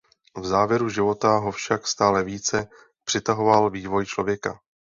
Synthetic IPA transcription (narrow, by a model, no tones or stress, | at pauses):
vzaːvjɛɾuʒɪvo̞t̪aɦofʃakst̪aːlɛviːt͡sɛ | pr̥ɪt̪aɦo̞valviːvo̞jt͡ʃlo̞vjɛka